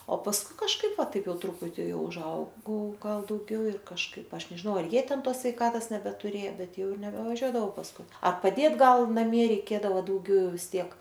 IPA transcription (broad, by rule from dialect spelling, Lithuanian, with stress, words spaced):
oː pɐsˈkʊɪ kɐʃˈkɐɪp ˈʋɐ ˈtɐɪp ˈjɛʊ ˈtrʊpʊtʲɪ ˈjɛʊ ʊʒˈɐʊɡɐʊ ˈɡɐlˠ dɐʊˈɡʲɛʊ ɪr kɐʃˈkɐɪp ˈɐʃ nʲɛʒʲɪˈnɐʊ ɐr ˈjiɛ ˈtʲɛn ˈtoːs sʲʋʲɛɪˈkɑːtoːs nʲɛbʲɛtʊˈrʲeːjoː ˈbʲɛt ˈjɛʊ nʲɛbʲɛʋɐˈʒʲuɔdɐʋɐʊ pɐsˈkʊɪ ɐr pɐˈdʲeːt ˈɡɐlˠ nɐˈmʲiɛ rʲɛɪˈkʲeːdɐʋoː dɐʊˈɡʲɛʊ ˈjɛʊ ʋʲɪs ˈtʲiɛk